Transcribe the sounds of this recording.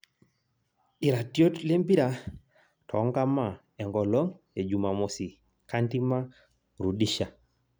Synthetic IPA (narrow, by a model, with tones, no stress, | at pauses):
i˨ɾa˨tjo˦tle˦mbi˦ɾa˨ | tʰɔ̰˨˦ŋɡa˦ma˨ | ɛ˨ŋɡɔ˨lɔ˦ŋ | e˨d͡ʒu˨ma˨mo˨si˨ | ka˦nti˦ma˦ | ɾu˨di˦ʃa˨